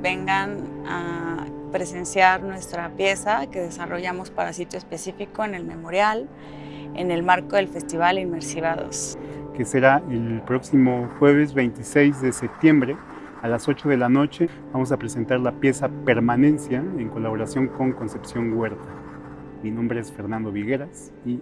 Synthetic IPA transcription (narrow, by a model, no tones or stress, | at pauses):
be̞ŋɡana | pɾese̞nsjaɾnwe̞st̪ɾapje̞sake̞ðesaro̞ʝamo̞spaɾasit̪joespesifiko̞ene̞lme̞mo̞ɾjal | ḛne̞lmaɾkoðe̞lfe̞st̪iβ̞alinmeɾsiβaðo̰skese̞ɾaelpɾo̞ksimo̞xwe̞β̞e̞zβe̞jnt̪isejzðesep̚t̪je̞mbɾe̞ | alaso̞t͡ʃo̞ðe̞lano̞t͡ʃe̞bamo̞s̬apɾese̞nt̪aɾlapje̞sape̞ɾmanẽ̞nsjae̞ŋko̞laβoɾasjo̞ŋko̞ŋko̞nse̞psjo̞ŋɡwe̞ɾt̪a | minõ̞mbɾeesfe̞ɾnãnd̪o̞βiɣe̞ɾas | i